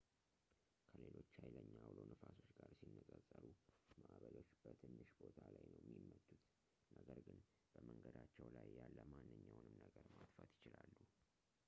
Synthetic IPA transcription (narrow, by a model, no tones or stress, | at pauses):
kʰəle̞lo̞t͡ʃːhajləɲːawlonəfaso̞t͡ʃːɡaɾsinːəkʼəsʼːəɾumaʔβəɾo̞t͡ʃːb̥ət̪ʰɨnːɨʃbo̞t̪ʰalajnəwjɛmːimːət̪ːut̪ | nəɡəɾɡɨn | b̥əməŋɡəd̪at͡ʃːɛwlajjalːəmanːɨɲːawnɨmnəɡəɾmat̪fət̪jɪt͡ʃɪlalːu